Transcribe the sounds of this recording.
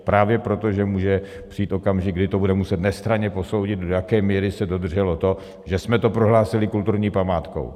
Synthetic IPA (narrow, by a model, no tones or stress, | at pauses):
pɾaːvjɛpɾo̞t̪o̞ʒɛmuːʒɛ | pr̥iiːt̪ʔo̞kamʒɪɡdɪt̪obudɛmusɛt̪nɛst̪ɾaɲɛpo̞so̞wɟɪd̪̚dojakɛːmiːɾɪsɛdo̞d̪r̩ʒɛlo̞t̪o̞ | ʒɛsmɛt̪o̞pɾoɦlaːsɪlɪkult̪uɾɲiːpamaːt̪ko̞̰w